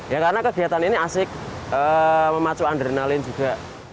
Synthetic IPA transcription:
jakaɾənakəɡ̥i̤at̪aniniasɪk̚əməmat͡ʃuand̪ɾenalɪnd͡ʒ̥uɡ̥a̤

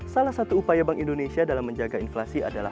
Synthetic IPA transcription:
salahsat̪uːpajabaŋʔindonesiadalamːəɲd͡ʒaɡainflasia̰dala̰

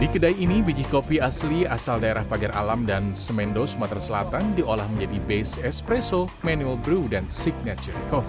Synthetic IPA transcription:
dikədaiːnibid͡ʒikopiasliasaldaeɾahbaɡarʔa̰lamdansəmɛndosumat̪ɾasəlat̪andiolahməɲd͡ʒadibesɛspɾɛso | manuɛlbɾudansiɡ̚nat͡ʃərkɔfi

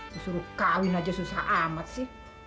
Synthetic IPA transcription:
disuɾukawinad͡ʒasusaʔamat̪̚sih

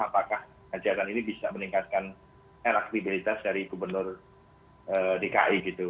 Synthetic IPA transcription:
apakah | ad͡ʒaɾaninibisaməniŋkat̪̚kan | elak̚t̪ibilit̪asdaɾiɡubərnʊr | əːdeka̰ʔiɡit̪u

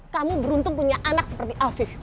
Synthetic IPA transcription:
kamubəɾunt̪ʊŋpuɲaʔanak̚sə̥pərt̪iʔafɪf

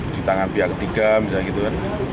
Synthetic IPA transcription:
d̥it̪aŋanpiɦakət̪iɡabisalɡit̪ukan

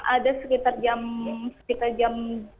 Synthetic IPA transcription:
ʔadasəkit̪ard͡ʒamsə̥kit̪ard͡ʒam

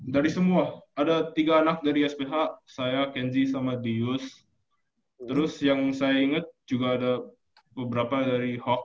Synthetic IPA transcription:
daɾisəmuaadat̪iɡaːnak̚daɾiɛspeɦaʔsajakɛnzisamadijʊs | t̪əɾʊsjaŋsajaiŋət̪̚d͡ʒuɡaːda | bəbəɾapadaɾihɔk̚

